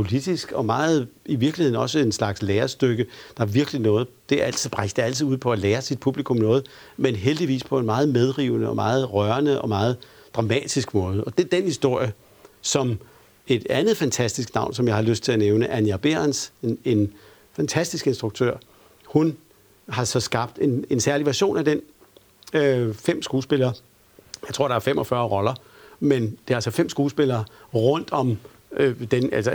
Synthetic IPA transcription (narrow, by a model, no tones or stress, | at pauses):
pʰo̝lid̥isɡ̥ɒ̽mɑ̈ːð̞̩ˠiʋiɐɡ̥lihe̝ðˠn̩ɒ̽səenslɑ̈ɡ̥sleːɐsd̥øɡ̥əd̥ɑ̈æɐʋiɐɡ̥linɔ̽ːð̩ˠd̥e̝æɐæl̰t͡sʰið̩ˠb̥ʁasd̥eæl̰t͡sʰiðˠuð̰ˠpʰɒ̽æleːɐsid̥̚pʰub̥likʰɔ̽mnɔ̽ːð̞̩ˠ | menɦeld̥iʋḭːspʰɒ̽e̝nmɑ̈ːð̩ˠmeð̞ˠʁḭːʊ̰nəɒ̽mɑ̈ːð̞̩ˠʁɶɐnəʔɒ̽mɑ̈ːð̞̩ˠ | d̥ʁɑ̈mɛ̰ːd̥isɡ̥mɔːð̞̩ˠɒ̽d̥e̝æɐd̥enhisd̥o̝ɐ̰jə | sɒ̽m | e̝d̥ænð̞̩ˠfænt͡sʰæsd̥isɡ̥nɑ̈ʊ̰nsɒ̽mjɑ̈ɪhɑ̈løsd̥t͡sʰe̝æneʊnəʔænjæb̥e̝nsene̝n | fænt͡sʰæsd̥isɡ̥e̝nsd̥ʁuɡ̥̚t͡sʰø̰ɐ̰ | hun | ɦɑ̈sɒ̽sɡ̥ɑ̈b̥̚d̥e̝ne̝nsæɐliʋæɐɕo̝̰ːnæd̥en | øfem̰sɡ̥uːsb̥e̝lɐː | jɑ̈t͡sʰo̝ɐ̰ɾ̥ɑæɐfemɒ̽fɶːɐʁɒ̽lɐ | mend̥e̝æɐælsɒfem̰sɡ̥uːsb̥elɐːʁɔn̰d̥ɒ̽m | d̥enælsə